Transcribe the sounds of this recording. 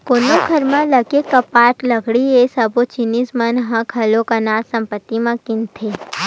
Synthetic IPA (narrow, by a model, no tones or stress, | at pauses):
konõɡʱɐɾmãləɡekɐpaːʈlɐɡɽiesɐbot͡ʃinismənɦãkʰɐlokɐnaːsɐ̃mpət̪ːimãkɪnt̪ʰe